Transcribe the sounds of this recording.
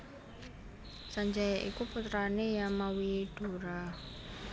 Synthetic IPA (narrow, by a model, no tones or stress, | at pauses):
saɲd͡ʒajaʔḭkuput̪ɾanejamawiɖ̥o̤ɾa